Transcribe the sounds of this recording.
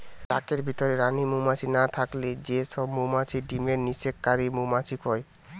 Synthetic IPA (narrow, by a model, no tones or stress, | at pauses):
t̪akeɾbʱit̪oɾeɾanimumat͡ɕʰinat̪ʰakled͡ʑeʃɔbmomat͡ɕʰiɖimeɾniʃekːaɾimomat͡ɕʰikɔe